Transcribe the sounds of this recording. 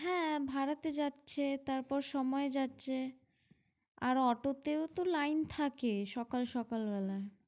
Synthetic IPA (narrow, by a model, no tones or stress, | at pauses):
ɦɛ̃bʱaɾat̪ed͡ʑatːɕʰet̪aɾpɔɾʃɔmɔed͡ʑatːɕʰe | aɾɔʈot̪eot̪olajnt̪ʰakeʃɔkalʃɔkalbɛla